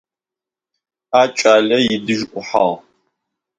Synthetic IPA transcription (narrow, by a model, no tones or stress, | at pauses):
aːt͡ʃʼaːɮɐjɪdɨʒʔʷʊħa̰ʁ